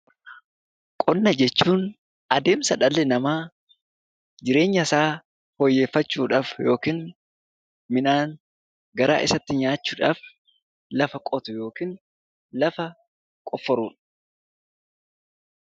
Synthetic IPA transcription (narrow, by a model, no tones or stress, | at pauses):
kʼɔnːɐd͡ʒɛt͡ʃːuːn | ɐd̪e̞ːmsɐᶑɐlːɛnɐmaː | d͡ʒɪɾe̞ːɲːɐsaː | hɔjːe̞ːfːɐt͡ʃːuːᶑaːfjo̞ːkiːn | mɪnaːn | ɡɐɾa̰ːʔɪsɐt̪ːɪɲaːt͡ʃːuːᶑa̰ːf | lɐfɐkʼɔt̪ʊjo̞ːkiːn | lɐfɐ | kʼɔfːɔɾuːᶑɐ̥